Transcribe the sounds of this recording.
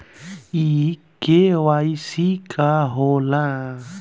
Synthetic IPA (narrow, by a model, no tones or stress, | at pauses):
ikewaisikʰaɦola